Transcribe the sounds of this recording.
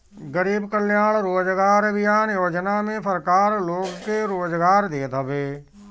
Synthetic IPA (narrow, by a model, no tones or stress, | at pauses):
ɡəɾiːbkəlɪjaːɭɾoːd͡ʒɡaːɾbɪjaːnjoːd͡ʒnamẽpəɾkaːɾloːɡkeɾoːd͡ʒɡaːɾd̪eːt̪əʋeː